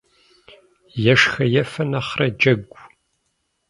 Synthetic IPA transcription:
jɛʂxɐjɛfɐnɐχrɐd͡ʒɐɡʷ

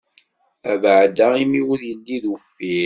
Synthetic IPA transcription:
ævəʕd̪æimiwʊɾjəlːiðufːi

